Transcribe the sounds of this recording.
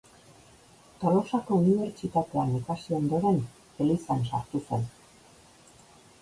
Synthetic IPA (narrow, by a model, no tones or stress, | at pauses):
t̪o̞lo̞sako̞uniβe̞ɾt͡ʃit̪at̪e̞anikasio̞nd̪o̞ɾe̞n | elisansa̰ɾt̪use̞n